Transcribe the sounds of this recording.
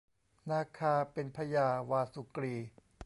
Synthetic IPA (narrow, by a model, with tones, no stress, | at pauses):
naː˧kʰaː˧pe˧npʰa˧jaː˧waː˧su˨˩kɾiː˧˩